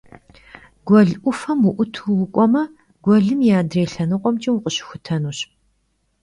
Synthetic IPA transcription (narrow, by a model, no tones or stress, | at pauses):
ɡʷɔɮʔʷʊfɐmwʊʔʷʊtʰuwʊkʷʼɔmɐ | ɡ̥ʷɔɮɨmjaːdreːɬɐnɨqʷʼɔmt͡ʃʼiwʊqʼəɕɪ̥xʷʊtʰɐnuːɕ